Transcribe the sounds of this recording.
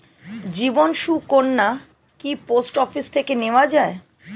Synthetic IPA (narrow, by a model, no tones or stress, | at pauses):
d͡ʑibonʃukonːa | kiposʈɔfist̪ʰekeneoad͡ʑae